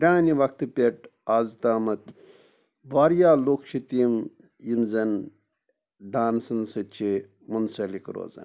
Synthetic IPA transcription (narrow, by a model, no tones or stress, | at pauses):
ɾʲaːniʋɐk̚t̪ɨpʲeʈaːzt̪aːmɐt̪ | ʋaːɾjaːloːkʃit̪im | jimzɐn | ɖaːnsɐnsɨt͡ʃʰi | munsɐlikɾo̰ːzɐ̰n